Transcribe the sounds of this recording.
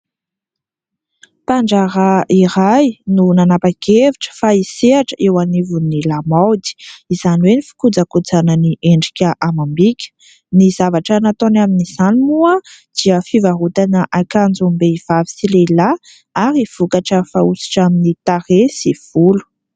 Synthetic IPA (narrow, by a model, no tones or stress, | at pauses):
paɳɖ͡ʐaɾaiɾajnunanapaɡeviʈ͡ʂə̥faiseaʈ͡ʂəʔewanivunilamawd̪i̥izaniwenifi̥kud͡zakud͡zanəniʔeɳɖ͡ʐikʲəʔamambikʲə̥ | nizavaʈ͡ʂənat̪onaminiz̥animuəd̪̥iəfivaɦut̪anəʔakand͡zumbeiv̥avi̥silela | aɾiv̥ukaʈ͡ʂəfausi̥ʈ͡ʂaminit̪aɾesiv̥ulu̥